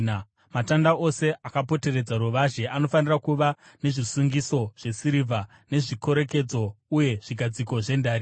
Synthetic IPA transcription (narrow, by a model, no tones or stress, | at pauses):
na | matandaʔo̞se̞ʔakapo̞te̞ɾe̞d͡zaɾuʋaʒe̞ʔano̞fanirakuʋane̞ʐisuŋɡiso̞ʐ̥e̞siɾivʱa | ne̞ʐiko̞ɾe̞ke̞d͡zo̞uje̞ʐ̥iɡʱad͡ziko̞ʐe̞ndaːɾi